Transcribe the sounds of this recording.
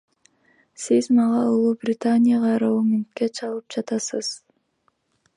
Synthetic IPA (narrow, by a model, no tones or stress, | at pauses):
sizmɑʁɑulˠuːbrʲɪt̪anʲɪjaʁɑɾaumʲɪnt̪ket͡ʃʰɑlˠɯp̚d͡ʒɑt̪ɑsɯz̥